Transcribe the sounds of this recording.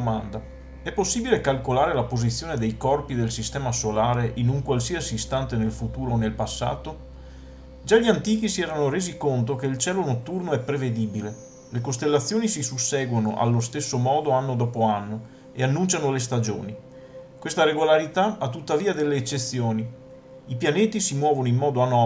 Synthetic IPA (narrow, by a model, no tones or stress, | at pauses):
mand̪a | ɛpːosːiːbilekalkolaːɾelapozit̪sːjoːned̪ejkɔrpid̪elsist̪ɛːmasolaːɾeʔinuŋkwalsiasiːst̪ant̪enelfut̪uːɾoːnelpasːa̰ːt̪o | d͡ʒaʎiant̪iːkisiɛːɾanoɾeːzikont̪̬okeilt͡ʃɛːlonot̪ːurnoɛpːɾeved̪iːbile | lekost̪elːat̪sːjoːnisisusːɛːɡwonoʔa̰lːost̪esːomɔːd̪oanːod̪ɔːpoanːo | eanːunt͡ʃanolest̪ad͡ʒo̰ːni | kwest̪aɾeɡolaɾit̪aat̪ːut̪ːaviːad̪elːeːt͡ʃːet̪sːjoːni | ipjaneːt̪isimwɔːvonoimːɔːd̪oan